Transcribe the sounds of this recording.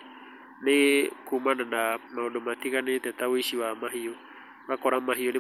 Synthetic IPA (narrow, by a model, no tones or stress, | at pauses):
nekumananamaodomat̪iɣanet̪ɛt̪awisiwamaɦiɔ | βakɔɾamaɦiɔne